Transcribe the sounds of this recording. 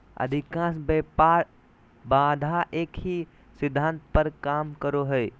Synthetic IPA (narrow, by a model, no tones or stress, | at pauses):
ɐ̰d̪ʱɪkãːsbepaɾ | baːd̪ʱaʔeːkɦi | sɪd̪ʱːãːnt̪pəɾkaːmkəɾoɦɛe